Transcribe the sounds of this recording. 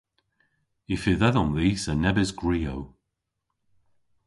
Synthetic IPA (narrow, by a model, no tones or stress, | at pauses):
ifɪðaðɔmðiːsənɛbɪzɡɹiːow